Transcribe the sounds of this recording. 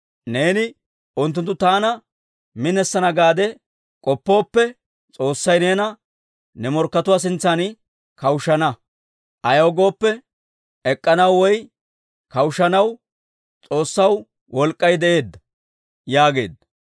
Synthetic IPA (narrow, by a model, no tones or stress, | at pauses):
ne̞ːnɪ | ʊnt̪ːʊnt̪ːʊt̪aːnɐ | mɪnɛsːɐnɐɡaːd̪ɛ | kʼɔpːo̞ːpːɛ | t͡sʼo̞ːsːɐjne̞ːnɐ | nɛmɔɾkːɐt̪ʊwaːs̬ɪnt͡sːɐnɪ | kɐwʃɐnɐ | ʔɐjɐːɡo̞ːpːɛ | ɛkʼːɐnɐwːɔj | kɐwʃɐnɐw | t͡sʼo̞ːsːɐw | wɔlkʼːɐjd̪ɛʔe̞ːd̪ːɐ | jaːɡe̞ːd̪ːɐ